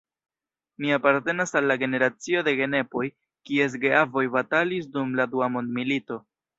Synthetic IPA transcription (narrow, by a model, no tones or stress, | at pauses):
miapaɾte̞nasalːaɡe̞ne̞ɾat͡sio̞de̞ɡe̞ne̞po̞j | kie̞s̬ɡeavo̞jbatalis̬dumladuamo̞ndmilito̞